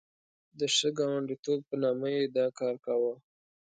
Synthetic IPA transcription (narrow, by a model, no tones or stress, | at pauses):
d̪əʂəɡɑwaɳɖit̪ob̚pənɑməjed̪ɑkɑɾkawə